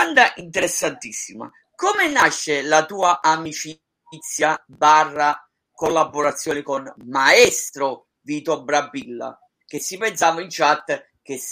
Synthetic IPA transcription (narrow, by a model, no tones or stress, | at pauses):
and̪aʔint̪ɛɾesːant̪isːima̰ | kɔmenaʃːelat̪uːaʔamit͡ʃi | t̪sːja | barːa | kolːabːoɾat̪sːjɔːnɪkonmaɛst̪ɾʊ | viːt̪obɾabːilːa̰ | k̟esːipɛnsaːvaint͡ʃat̪ː | k̟es